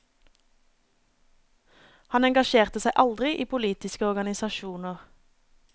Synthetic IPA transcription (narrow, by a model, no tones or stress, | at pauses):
hɑnɛŋɡɑʃeːʁt̪əsæɪʔɑld̪ʁɪʔiːpʰʊliːt̪ɪskəɔʁɡɑnɪsɑʃuːnəʁ